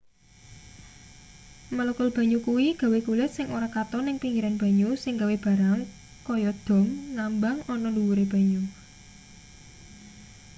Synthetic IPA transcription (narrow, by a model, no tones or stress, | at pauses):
məlukʊlb̥a̤ɲukuwiɡ̥a̤wekulɪt̪̚sɪŋʔoɾakat̪ɔnɪŋpiŋɡiɾanb̥a̤ɲusɪŋɡaweb̥ä̤ɾaŋ | kɔjɔd̪̥ɔ̤mnambaŋɔnɔnduwuɾeb̥a̤ɲu